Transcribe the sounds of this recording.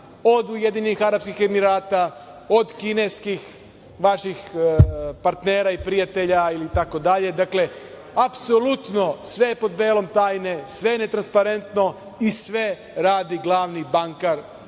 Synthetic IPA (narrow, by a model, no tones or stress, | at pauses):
o̞d̪ujed̪inixaɾapskixe̞miɾaːt̪a | o̞d̪kineskix | ʋaʃix | paɾt̪neːɾaipɾijat̪e̞ʎailit̪ako̞d̪aʎe̞d̪akle̞ | apsolut̪no̞sʋe̞po̞d̪be̞ːlo̞mt̪aːjne̞sʋe̞net̪ɾanspaɾe̞nt̪no̞ | isʋe̞ | ɾaːd̪iɡlˠaːʋnibaŋkaɾ